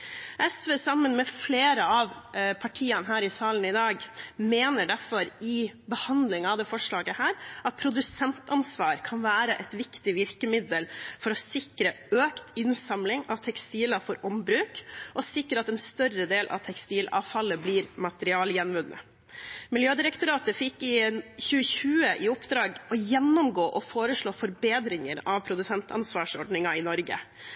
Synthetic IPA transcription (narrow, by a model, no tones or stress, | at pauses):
ʔɛsʋeːsɑmːənmɛfleːɾəɑʋpʰɑʈʰiːənɦæːɾɪsɑːln̩ɪd̪ɑːɡmeːnəɖæɾfɔɾɪbəhɑnd̪lɪŋɑʋd̪ɛːfɔʂɭɑːɡəhæːɾɑt̪̚pʰɾʊd̪ʉsɛnt̪ɑnsʋɑːɾkʰɑnʋæːɾəʔɛt̪ʋɪkt̪ɪʋɪɾkəmɪd̪əlfɔɾɔsɪkɾə | øːkt̪ɪnsɑmlɪŋɑʋt̪ʰɛkst̪iːlɑfɔɾʔɔmbɾʉːkʔɔsɪkːəɾəɑt̪ɛnst̪œɾəd̪eːlʔɑ̰ʋt̪ʰɛkst̪iːlɑ̰ːʋfɑlːəbliːɾmɑt̪əɾɪɑːljɛnʋʉnːʔə̰ | mɪljøːd̪ɪɾəkt̪ʊɾɑːt̪əfɪkːɪçʉːəçʉːəʔɪʊpd̪ɾɑːɡɔjɛnːɔmɡoːʔɔfoːɾəʂɭoːfɔɾbeːd̪ɾɪŋəɾɑʋpʰɾʊd̪ʉsɛnt̪ʰɑ̰nsʋɑːʂɔɖnɪŋɑɪnɔɾɡə̰